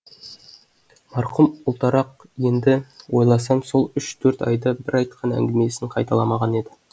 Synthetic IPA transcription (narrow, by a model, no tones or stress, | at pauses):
mɑɾqʊmʊlˠt̪ɑɾɑqje̞nd̪ɪwo̞jlˠɑsɑmso̞lˠʏʃt̪ʰɵɾt̪ɑjd̪ɑbɪɾɑjt̪qʰɑnæ̰ŋɡʲɪme̞sɪɴqʰɑjt̪ɑlˠɑmɑʁɑne̞d̪ɪ